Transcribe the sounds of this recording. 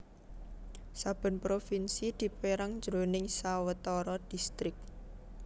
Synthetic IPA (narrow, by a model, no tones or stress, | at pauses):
sab̥ə̤npɾofinsid̪̥i̤peɾaŋd͡ʒɾo̤nɪŋsawət̪ɔɾɔd̪̥i̤st̪ɾɪk̚